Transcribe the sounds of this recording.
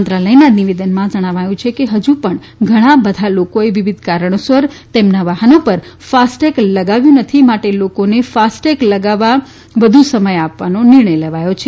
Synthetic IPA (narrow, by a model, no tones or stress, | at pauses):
nt̪ɾaləjnaniʋed̪ənmãd͡ʒəɽ̃aʋajũt͡ʃʰekeɦəd͡ʒupəɳ | ɡʱəɽ̃abəd̪ʱalokoeʋiʋid̪ʱkaɾəɳ̃osʋəɾt̪emnaʋaɦənopəɾfasʈekləɡaʋjũnət̪ʰimaʈelokonefasʈekləɡaʋa | ʋəd̪ʱusəməjapʋanonɪɾɳəjlɛʋajot͡ʃʰe